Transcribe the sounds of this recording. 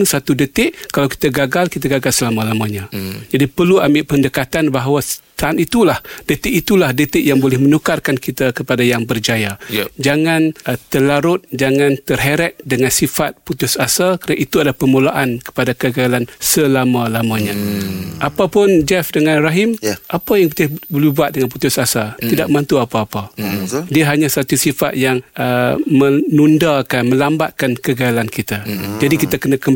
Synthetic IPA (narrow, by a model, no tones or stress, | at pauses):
nsat̪udət̪ɪʔkalawki̥t̪aɡaɡalkit̪aɡaɡalsəlamãlamãɲãd͡ʒadipərluambɪʔpəndəkat̪anbaɦawat̪aanit̪ulahdət̪ɪʔit̪ulahdət̪ɪʔjaŋbolɛhmənukarkankit̪akəpadajaŋbərd͡ʒajad͡ʒaŋant̪əlaɾʊt̪̚d͡ʒaŋãnt̪ərɦeɾɛt̪̚dəŋansifat̪̚put̪ʊsasalkəɾana̰ʔit̪uadapərmulaʔankə̥padakəɡalansəlamãlamãɲaʔapapʊnd͡ʒɛfdəŋãnraɦɪmʔapajaŋt̪abəlubuat̪̚dəŋanp̬ut̪ʊsasat̪idaʔ̚mant̪uapaːpadiaɦaɲãsat̪usifa̰t̪̚jaŋəmənundakanmə̃lambaʔ̪̚kankəɡaalankit̪ad͡ʒadikit̪akənakə